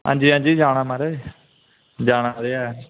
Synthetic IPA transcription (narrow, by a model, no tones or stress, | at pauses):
ɦa̰ːɲd͡ʒiːɦãːnd͡ʒiːd͡ʒaːɽ̃ãːmaɾaː | d͡ʒaːɽ̃aːɾeaː